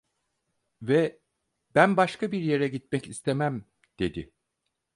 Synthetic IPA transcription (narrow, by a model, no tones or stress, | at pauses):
vɛ | b̥ænbaʃkʰabiɾje̞ɾɛɟit̪̚mɛcist̪ʰemæm | d̪̥e̞d̪ɪ